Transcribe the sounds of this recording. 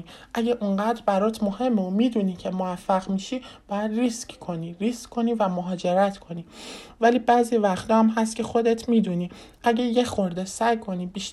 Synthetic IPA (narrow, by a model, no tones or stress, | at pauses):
ʔæɟeʔuɴɢæːd̪ɾbæɾɒːt̪ʰmo̞he̞mːomiːd̪uniːcʰe̞movæfːæɣmiʃiːb̥ɒːjæd̪riskkʰo̞niːɾiskkʰːo̞niːvæmoɦɒːd͡ʒe̞ɾæt̪ʰkʰo̞niːvæliːbæːzivæxt̪ʰɒːæmɦæst̪̚cʰe̞xo̞d̪et̪ʰmid̪uniʔæɟejexo̞ɾd̪esæjkʰo̞niːbiːʃ